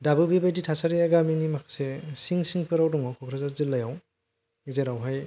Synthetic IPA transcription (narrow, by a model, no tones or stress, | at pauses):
dabɯbibajditʰasaɾiaɡaminimakʰḁsesiŋsiŋpʰɯɾawdɔŋɔkʰɔkʰɾazaɾzilːajaw | izeɾawɦaj